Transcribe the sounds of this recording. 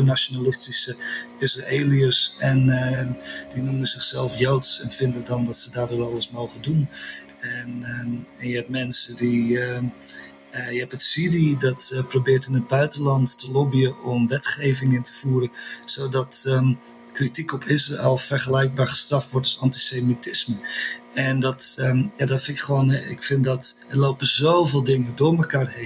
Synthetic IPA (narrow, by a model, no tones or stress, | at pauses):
ənasonalɪstisəɪsraeːliəsɛn | dinuməzɪχsɛlˠfjowtsɛnfɪndədɔndɔtsədaːrdoːrɑlˠəsmowχədun | ɛnɛnjəɛp̚mɛnsədi | jəɛpətsididɔtprobɪːrtɪnəd̚bœɥtəlɑntːəlobijəʔɔmʋɛtχejvɪŋɪntə̥v̥uːɾənsowdɔt | kritikɔpʰɪsraɛlˠfərχəlɛjk̚baːɹχə̥strɑftʋɔrtɔsɑnti̥semitɪsməɛndɔtjadɔtfɪnɪkχʋoːnɛɪ̰kfɪndɔtəlowpəzowvɪːlˠdɪŋədʊːɹməkaːrɦe